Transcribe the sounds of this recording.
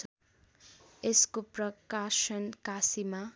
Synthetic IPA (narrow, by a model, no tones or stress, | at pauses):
eskoprʌkasʌnkasima